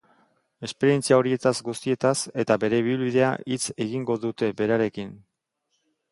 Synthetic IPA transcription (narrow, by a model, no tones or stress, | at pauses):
e̞spe̞ɾie̞nt͡siao̞ɾie̞t̪azɡust̪ie̞t̪ase̞t̪aβe̞ɾe̞βiilβiðe̞a̰ʔit͡se̞ɣiŋɡo̞ðut̪e̞be̞ɾaɾe̞kin